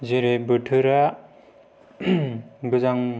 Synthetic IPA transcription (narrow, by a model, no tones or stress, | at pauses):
ziɾebɯʈʰɯɾa | bɯzaŋ